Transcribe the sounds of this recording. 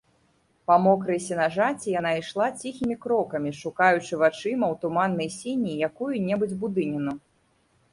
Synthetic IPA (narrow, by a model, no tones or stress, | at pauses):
pamɔkɾɨjsʲinaʐat͡sʲijanaijʂlˠat͡sʲixʲimʲikɾɔkɐmʲiʂukajut͡ʂɨvat͡ʂɨmɐwt̪umanːɐjsʲinʲijakujunʲɛbɨd͡zʲbud̪ɨnʲinu